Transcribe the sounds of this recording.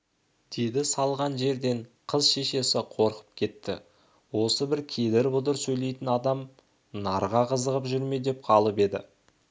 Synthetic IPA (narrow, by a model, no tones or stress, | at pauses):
d̪̥ejd̪ɪsɑlˠʁɑnʒe̞ɾd̪e̞ɴqʰəzʃe̞ʃe̞sɪqʰo̞ɾqə̥p̚kʲʰe̞t̪ːɪ̰ | wo̞səbɪɾkʲʰe̞d̪eɾbʊd̪əɾsɵjle̞jt̪ɪnɑd̪ɑm | nɑɾʁɑqʰəzəʁəpʒʏɾme̞d̪e̞p̚qʰɑlˠəpe̞d̪ɪ̰